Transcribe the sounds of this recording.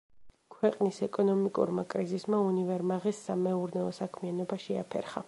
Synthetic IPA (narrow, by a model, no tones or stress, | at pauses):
kʰwɛqʼnisɛkʼɔnɔmikʼṵɾmakʼɾizismaunivɛɾmaʁisːamɛuɾnɛɔsakʰmianɔbaʃɛa̰pʰɛ̰ɾχa̰